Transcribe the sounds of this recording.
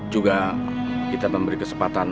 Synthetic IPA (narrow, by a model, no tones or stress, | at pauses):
d͡ʒuɡa | kit̪aməmbəɾikəsəmpat̪an